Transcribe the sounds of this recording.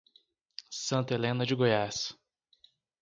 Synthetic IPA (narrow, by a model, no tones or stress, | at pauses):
sɐ̃nt̪ɐelẽnɐd͡ʒɪɡojas